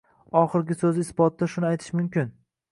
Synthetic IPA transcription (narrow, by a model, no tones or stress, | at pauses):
ɒχɨɾɡʲɪsɵzɪɪsbɒt̪ːaʃʊnɪajt̪ʰɪ̥ʃmʊmkʲɪn